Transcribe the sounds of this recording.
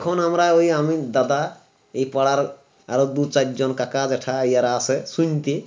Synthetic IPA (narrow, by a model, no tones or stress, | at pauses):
kʰonɦəmɾaoiɦəmid̪ɐd̪a | ipəɽaɾ | aɾod̪ut͡ʃaɾd͡ʒɔnkakad͡ʒeʈʰajaɾasesunt̪i